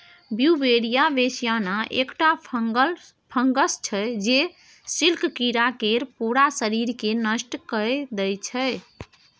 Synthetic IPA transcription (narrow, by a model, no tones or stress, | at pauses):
bjubeɾijabesijanaʔḛkʈa | pʰəŋɡəst͡ʃʰɛd͡ʒe | silkkiɾakeɾpuɾasəɾiɾkenəsʈkəjd̪ɛjt͡ʃʰɛj